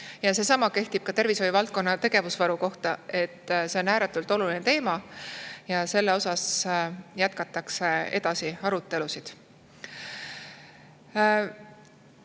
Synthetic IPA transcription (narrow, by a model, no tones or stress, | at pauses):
jɑse̞ːsɑmɑke̞ht̪ib̥̚kɑt̪e̞rviso̞jvɑlt̪̚ko̞nːɑt̪e̞ɡ̥e̞vusvɑɾuko̞ht̪ɑe̞t̪ːse̞o̞næːɾet̪ːˑult̪ˑo̞lulinet̪e̞ːmɑjɑse̞lːeo̞sɑs | jæt̪̚kɑt̪ːˑɑkse̞e̞̰d̪̥ɑsiɑɾut̪ːe̞lusid̪̥